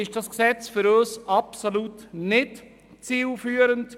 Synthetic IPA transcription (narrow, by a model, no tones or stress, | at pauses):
ɪʃd̥ɑsksɛt͡sfʏɾøːsɑpsolutnɪt | t͡siːlfyːəɾənt